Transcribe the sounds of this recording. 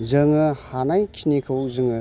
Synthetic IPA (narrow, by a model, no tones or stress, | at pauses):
zɯŋɯhanajkʰinikʰɯwzɯŋɯ